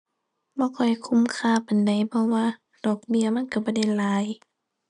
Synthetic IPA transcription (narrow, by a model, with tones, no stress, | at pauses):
bɔː˧˦kɔ˧˩˧kʰu˧˨mkʰaː˧˩˨pa˨nda˨˩jpʰɔ˧˨waː˧˨ | d̥ɔː˧˩k̚bi˧˨ɐma˧˥˨nka˧˩bɔː˧˦da˧˩jlaː˨˦j